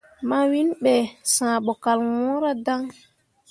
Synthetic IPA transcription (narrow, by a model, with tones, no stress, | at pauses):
ma˦wi˦nɓɛ˨sãː˨ɓɔ˨ka˨lwɔ̃ː˦ɾa˦da˦ŋ